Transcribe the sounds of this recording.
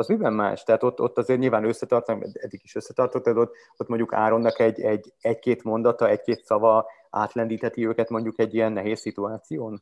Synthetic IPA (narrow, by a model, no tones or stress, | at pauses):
ɒzmibɛmma̰ːʃt̪ɛɦat̪o̞t̪ːot̪ːɒzeːrɲiːlvaːnø̞sːɛt̪ɒrt̪okɛ̰d̪ɛd̪ːiɡiʃøsːɛt̪ɒrt̪ot̪ːɛt̪ot̪ | ot̪mo̞ɲɟuka̰ːɾo̞nːɒkɛɟːɛɟːɛckeːt̪mo̞nd̪ɒt̪ɒɛckeːt̪sɒvɒ | a̰ːt̪lɛnd̪iːt̪hɛt̪iøːkɛt̪mo̞ɲɟukɛɟːijɛnːɛɦeːsːit̪uaːt̪sijoːn